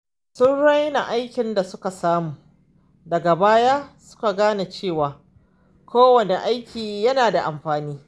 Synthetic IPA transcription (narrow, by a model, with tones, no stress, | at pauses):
sʊ˦nɽɐ˦jna˨ʔa˦jkʲɪ˨nda˨sʊ˦ka˨saː˦muː˨ | dɐ˨ɡa˨baː˦ja˦sʊ̥˦ka˨ɡaː˦na˨t͡ʃeː˦˨waː˨ | kʰʷoː˦wɐ˨ne˨ʔa˦jkʲʰiː˨jɐ˦naː˨da˨ʔa˨mɸaː˨niː˦